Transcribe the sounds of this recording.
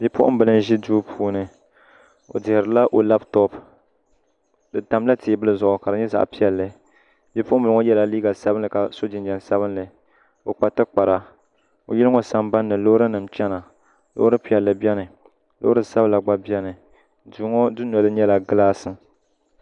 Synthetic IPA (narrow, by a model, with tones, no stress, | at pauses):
bi˦pʊ̰˦ʔʊ̰˦mbɨ˨lɨ˦n˦ʒi˦duː˦pʰuː˦nɨ˨ | o̰˨dɪ˨hɪ˨ɾɨ˨la˦ʔo˨la˦ptɔ˦p | dɨ˨ta˨mla˦tʰeː˨bɨ˦lɨ˦zʊ˨ʔʊ˨ka˨ɾɨ˨ɲɛ˦za̰˨ʔpi˦ɛ˨lːɨ˨ | bi˦pʊ˦ʔʊ˦mbɨ˨lɨ˦ŋɔ˦jɛ˦la˨liː˦ɡa˨sa˦bɨ˦nlɨ˨ka˨so˦d͡ʒɪ˨nd͡ʒɛ˨nsa˦βɨ˦nlɨ˨ | o˨k͡pa˨tɨ˦k͡pa˨ɾa˨ | o̰˨jɛ˦lŋɔ˦sa˨mba˦nːɨ˨lo˦ɾɨ˦nɨ˨mt͡ʃɛ˦na˨ | lo̰˦ɾɨ˦pi˦ɛ˨lːɨ˨bi˦ɛ˦nɨ˨ | lo̰˦ɨ˦sa˦bla˨ɡ͡ba˦bɛ˦nɨ˨ | duː˦ŋɔ˦dɨ˦n˨ɔ˨lɨ˦ɲɛ˦la˨ɡɨ˦laː˦sɨ˨